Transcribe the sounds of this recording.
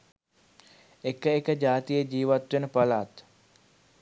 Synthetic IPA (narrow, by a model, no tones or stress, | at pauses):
ekəekəd͡ʒaːt̪ijəd͡ʒiːʋat̪ʋenəpɐlaːt̪